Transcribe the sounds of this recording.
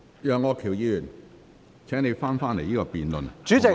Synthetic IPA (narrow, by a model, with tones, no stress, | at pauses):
jœː˨ŋːɔː˨˧kʰiː˨˩wjiː˧jyː˨˩n | t͡sʰɛː˨˥ŋne˨˧jfaː˥nfaː˥nle˨˩jiː˥kɔː˧piː˨nlɵ˨nt͡ʃyː˨˥t͡sɪ˨